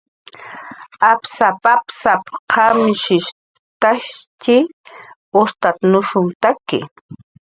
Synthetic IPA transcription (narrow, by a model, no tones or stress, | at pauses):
apsapapsapqʰamʃɪʃ | t̪aʃt͡ʃɪ | ʊst̪at̪nʊʃʊnt̪akɪ̰